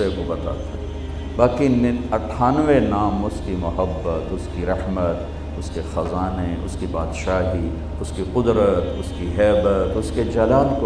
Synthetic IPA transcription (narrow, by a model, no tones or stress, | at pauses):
ekobɐt̪a̰ːt̪e | baːkinɐʈʰaːnʋenaːmʊskimʊɦəbːət̪ʊskiɾɐhmət̪ | ʊskexɐzaːneʊ̰skibaːd̪ʃaːɦi | ʊskiqʊd̪ɾət̪ʊskiɦɛːbət̪ʊsked͡ʒɐlaːlko